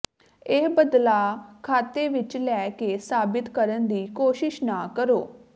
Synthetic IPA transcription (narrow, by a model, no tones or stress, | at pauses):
eːɦbəd̪laːkʰaːt̪eːʋɪt͡ʃlɛːkeːsaːbɪt̪kəɾənd̪iːkoːʃɪʃnaːkəɾoː